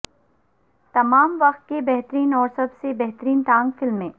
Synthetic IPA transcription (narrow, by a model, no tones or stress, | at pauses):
t̪ɐmaːmʋɐqt̪̚kebɛɦt̪əɾiːnɔːɾsɐbsebɛɦt̪əɾiːnt̪ãːŋɡfɪlmːẽː